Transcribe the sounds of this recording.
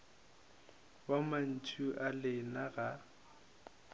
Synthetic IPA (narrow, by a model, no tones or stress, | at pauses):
waman̩t͡ʃʼʰuʔalɪnaɣa